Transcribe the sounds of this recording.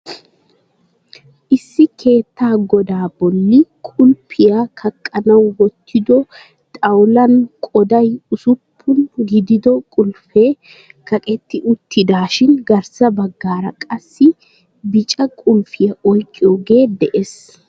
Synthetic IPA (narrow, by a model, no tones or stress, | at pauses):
ʔɪsːɪkʰe̞ːt̪ːaːɡɔd̪aːbɔlːɪkʼʊlpʰɪjakʰɐkʼːɐnɐwwɔt̪ːɪd̪ɔ | t̪ʼɐwlɐnkʼɔd̪ɐjʊsʊpʰːʊnɡɪd̪ɪd̪ɔkʼʊlfeː | kʰɐkʼɛt̪ːɪʔʊt̪ːɪd̪aːʃɪnɡɐɾsɐbɐɡːaːɾɐkʼɐsːɪ | bɪt͡ʃʼɐkʼʊlfɪjɐɔjkʼːɪjoːɡe̞ːd̪ɛʔes